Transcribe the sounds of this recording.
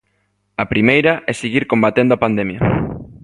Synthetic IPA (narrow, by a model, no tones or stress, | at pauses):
ɐpɾimejɾɐʔɛsiɣiɾkombat̪end̪oapand̪emjɐ